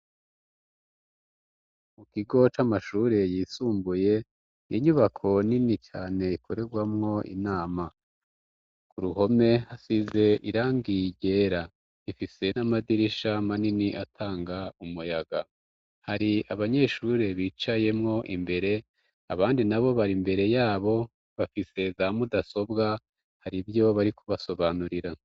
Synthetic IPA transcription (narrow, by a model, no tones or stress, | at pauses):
mukiɡo̞t͡ʃamaʃuɾe̞jiːsuːmbuje̞ | niɲuβakʰo̞ninit͡ʃaːne̞ikʰo̞ɾe̞ɾɡwamŋo̞ʔḭnaːma | kuɾuɦo̞me̞hasize̞ʔiɾaːŋɡiɟe̞ːɾa | ifise̞namadiɾiʃamaniniʔatʰaːŋɡaumujaɡa | haɾiaβaɲe̞ːʃuɾe̞βiːt͡ʃaje̞mŋo̞ʔimbe̞ɾe̞ | aβaːndinaβo̞βaɾimbe̞ɾe̞jaːβo̞ | βafise̞zamudaso̞bɡa | haɾibjo̞βaɾikʰuβaso̞βanuɾiɾa